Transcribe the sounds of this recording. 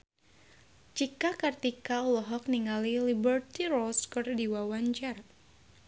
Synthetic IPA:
t͡ʃikakart̪ikaulɔɦɔk̚niŋalilibərt̪irɔlskɔrdiwawaɲt͡ʃar

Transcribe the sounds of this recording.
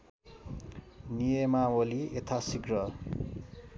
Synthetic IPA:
nijemawoliet̪ʰasiɡɾʌ

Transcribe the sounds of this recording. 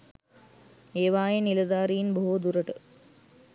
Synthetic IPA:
eːʋaːjenilɐd̪aːɾijinboɦud̪uɾɐʈə

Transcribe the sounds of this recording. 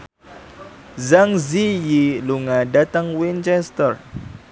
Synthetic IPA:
zaŋzijiluŋadat̪aŋwint͡ʃɛst̪ər

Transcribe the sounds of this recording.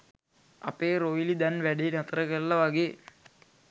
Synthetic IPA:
ɐ̰peːɾoːjilid̪ɐnʋæɖenɐt̪rɐkɐɭːɐʋɐɡeː

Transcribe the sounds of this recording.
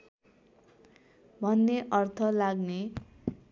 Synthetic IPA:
bʱʌnːeʔʌrt̪ʰʌlaɡne

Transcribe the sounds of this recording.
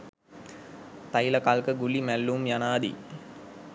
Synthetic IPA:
t̪ajlɐkalkəɡulimælːumjanaːd̪ḭ

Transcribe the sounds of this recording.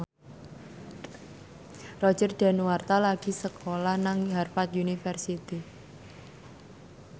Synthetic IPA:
rɔ̥d͡ʒərd̪̥a̤nuwart̪alaɡ̥i̤səkʰolahnaŋɦarfat̪junifərsit̪i

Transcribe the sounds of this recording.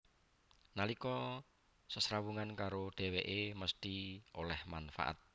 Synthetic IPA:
nalikɔ | səsɾawuŋankaɾoɖ̥e̤weʔeməst̪iolɛhmanfa̰ʔa̰t̪̚

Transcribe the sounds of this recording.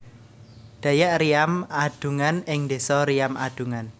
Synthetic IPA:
d̪̥a̤jaʔrijamad̪̥ṳŋanɪŋnd̪esɔɾijamʔa̰d̪̥ṳŋan

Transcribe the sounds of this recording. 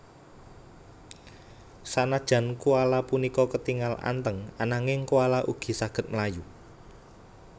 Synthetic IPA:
sanad̥ʒ̥ä̤nkualapunikɔkət̪iŋala̰nt̪əŋanaŋɪŋkualaʔuɡ̥i̤saɡ̥ə̤t̪̚məlaju

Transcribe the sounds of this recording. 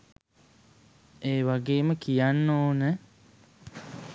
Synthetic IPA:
eːʋaɡeːməkijanːoːnɛ

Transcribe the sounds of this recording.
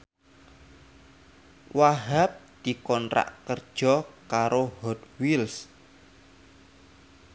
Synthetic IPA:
waɦap̚d̪̥i̤kɔnɾa̰ʔkərd̥ʒ̥ɔkaɾohɔd̪wils

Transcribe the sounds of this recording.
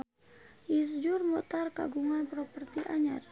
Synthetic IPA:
ʔis̬d͡ʒurmɔt̪arka̰ɡuŋanpɾɔpərt̪iʔaɲar

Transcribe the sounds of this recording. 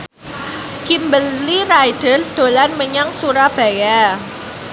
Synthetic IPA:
kimbəllirajd̥ərd̪̥o̤lanməɲaŋsuɾab̥a̤ja

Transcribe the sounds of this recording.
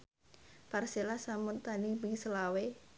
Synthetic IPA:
parselasamʊnt̪anibiŋsəlawe

